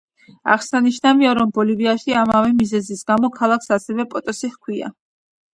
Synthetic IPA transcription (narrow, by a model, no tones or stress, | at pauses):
a̰ʁsaniʃnaviaɾɔmbɔliviaʃiamavɛmizɛzisɡamɔkʰalˠakʰsasɛvɛpʼɔt̪ʼɔsiχkʰwia̰